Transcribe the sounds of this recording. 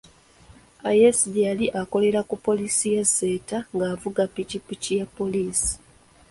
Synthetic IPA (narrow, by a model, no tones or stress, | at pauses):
ajesidijaliʔako̞le̞ɾakupo̞lisijezːe̞ːtaŋɡaːvuɡapːicipicijapːo̞liːsi̥